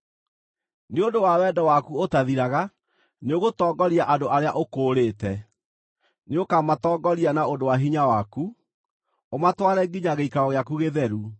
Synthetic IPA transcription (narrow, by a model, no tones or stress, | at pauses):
neondowawɛdɔwakuotaðiɾaɣa | neoɣotɔːɡɔɾiaʔandoʔaɾeaʔokoːɾetɛ | neokamatɔːɡɔɾianaondowaɦiɲawaku | omatwaɾɛɡiɲaɣeikaɔɣeakuɣeðɛɾu